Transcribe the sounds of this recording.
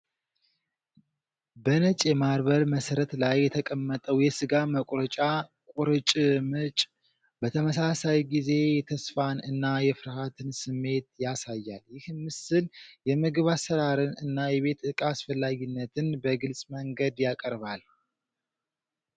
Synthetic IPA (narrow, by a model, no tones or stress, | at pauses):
bənət͡ʃʼjɛmaɾβəɾməsəɾət̪lajːɛt̪ʰəkʼəmːət̪ʼəwjɛsɨɡaməkʷʼɾət͡ʃʼa | kʼuɾɨt͡ʃʼmɨt͡ʃʼ | bət̪ʰəməsasajɡize̞jɛt̪ʰəsfanɨnːajɛfɨɾhat̪ʰɨnsɨmːe̞t̪jasajːaljɪhmːɨsɨljɛmɨɡɨβasəɾaɾɨnɨnːajɛβe̞t̪ɨkʼasfəlːaɡinːət̪ʰɨnbəɡɨlsʼməŋɡəd̪jakʼəɾbal